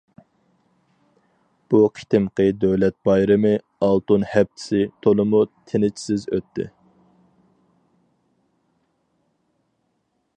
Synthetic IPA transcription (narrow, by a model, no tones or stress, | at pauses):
b̥uqʰi̥t̪ɪmqəd̪øwlɛt̪̚bɑjɾɨmɨ | ɑlˠt̪unhɛp̚t̪ʰɪ̥sɪt̪ʰolˠɨmut̪ʰɪnɪt͡ʃʰi̥sɪzøt̪ʰːɪ̰